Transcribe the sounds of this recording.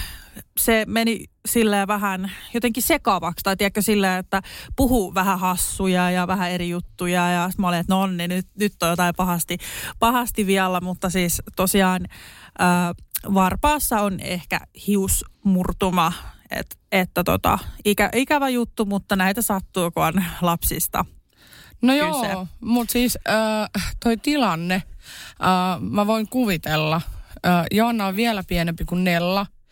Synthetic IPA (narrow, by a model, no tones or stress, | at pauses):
semenisilːeːʋæɦænjot̪eŋkisekɑːʋɑkst̪ɑit̪iækːøsilːeːet̪ːæpuhuʋæhæhɑsːujɑjɑʋæhæeɾijut̪ːujɑjɑsmoliet̪nonːinyt̪nyt̪ːojot̪ɑipɑhɑst̪ipɑhɑst̪iʋiɑlːæmut̪ːɑsiːst̪osiɑːnʔəːʋɑrpɑːsːɑonḛhkæ̰hiusmurt̪umɑḛt̪et̪ːæt̪ot̪ɑ̰ikæʔikæʋæjut̪ːumut̪ːɑnæit̪æsɑt̪ːuːkoɑnlɑpsist̪ɑ̰ | nojoːsemut̪siːsəːt̪oit̪ilɑnːeʔəːmæʋoiŋkuʋit̪elːɑəːjoɑnːɑoʋʋiælæpienempikunnelːɑ